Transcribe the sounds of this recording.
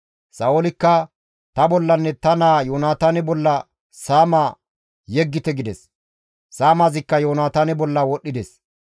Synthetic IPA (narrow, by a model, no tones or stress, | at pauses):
sɐolɪkːɐ | t̪ɐbɔlːɐnːɛt̪ɐnaːjoːnaːt̪ɐnɪbɔlːɐ | saːmaː | jɛɡːɪt̪ɛɡɪd̪ɛs | saːmazɪkːɐjoːnaːt̪aːnɪbɔlːɐwɔɗːɪd̪ɛs